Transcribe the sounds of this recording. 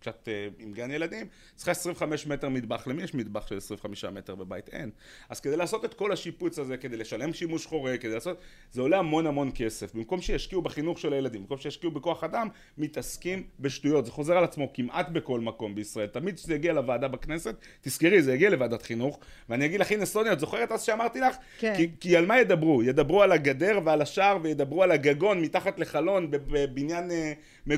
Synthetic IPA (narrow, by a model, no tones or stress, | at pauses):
ksat̪eimɡanjelad̪im | t͡si̥χaesʁiveχameʃme̞t̪emid̪baχlemijeɛʃmid̪baχʃelesʁiveχamiʃame̞t̪eʁbebait̪ʔḛn | ʔaz̥kedejlaːso̞t̪et̪ko̞laʃiput͡saze̞kede̞jleʃale̞mʃimuʃχo̞ʁekedejlaːsot̪ | zeo̞leamo̞nhamo̞nke̞se̞fbimko̞mʃejaʃkiubeχinuχʃe̞lajelad̪imbimkomʃejaʃkiubeko̞aχadamː | it̪askimbe̞ʃtujo̞t̪z̥eχo̞ze̞ʁalat͡smo̞kimʔat̪be̞ko̞lmako̞mbeisʁae̞lt̪amid̪ʃezejaɡialavaːd̪abakne̞se̞t̪̚ːiskeʁizejaɡialevaːd̪at̪χinuχveanijaɡid̪laχinesto̞nijot̪zo̞χe̞ʁetazʃeamaʁt̪ilaχ | kikialmajed̪abʁujed̪abʁualaɡad̪e̞ʁvealaʃaʁvejed̪abʁualaɡaɡo̞nmit̪aχat̪le̞χalo̞nbebebinjane | me